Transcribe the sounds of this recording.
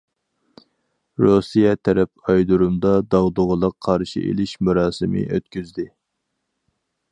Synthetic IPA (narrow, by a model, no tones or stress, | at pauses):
ɾosijɛt̪ʰɛɾɛp̚ɑjd̪uɾumd̪ɑd̪ɑʁd̪ʊʁəlˠəqʰːɑɾʃḭʔḛlɪʃmuɾɑːsɨmɪ̰ʔø̰t̪kʲyzd̪ɪ